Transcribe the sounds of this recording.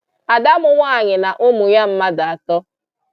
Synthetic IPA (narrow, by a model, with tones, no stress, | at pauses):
a˨da˦mʊ˨ŋʷa˦a˨ɲɪ˨na˨ʔʊ˦mʊ˨ɲa˦m̩˦ma˦da˨a˨tɔ˦